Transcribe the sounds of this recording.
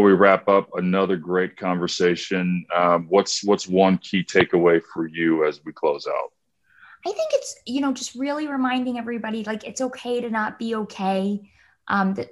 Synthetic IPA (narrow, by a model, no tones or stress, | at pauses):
wiɹæpʌpənʌðə˞ɡɹeɪt̚kʰɑ̃ɱvə˞seɪʃɨ̃nʌwʌtswʌtswʌ̃nkʰitʰeɪkəweɪfə˞jʉɨzwikʰl̥oʊza̰ʊt̚ | aɪθɪ̃ŋkɨtsjɨnoʊd͡ʒʌst̚ɹɪlˠiɹɨmãɪ̃ndɪ̃ŋɛvɹibɑɾilaɪkɨtsoʊkʰeɪɾɨnət̚b̥ioʊkʰeɪ | ʔʌ̃mðɨ